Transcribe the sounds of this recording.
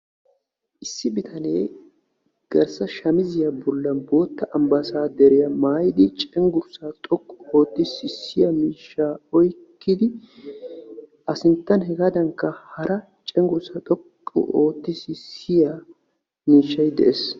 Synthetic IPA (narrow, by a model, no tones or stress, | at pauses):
ʔɪsːɪbɪt̪ʰɐne̞ː | ɡ̥ɐɾsɐʃɐmɪzɪjɐbʊlːɐnbo̞ːt̪ːɐʔɐmbɐsaːd̪ɛɾɪjɐmaːjɪd̪ɪt͡ʃʼɛŋɡʊɾsat̪ʼɔkʼːʊoːt̪ːɪsɪsːɪjɐmiːʃːaːɔjkːɪd̪ɪ | ʔɐsɪnt̪ːɐnhɛɡad̪ɐŋkːɐhɐɾɐ | t͡ʃʼɛŋɡʊɾsɐt̪ʼɔkʼːʊ̰ʔo̞ːt̪ːɪsɪsɪjɐ | miːʃːɐjd̪ɛʔes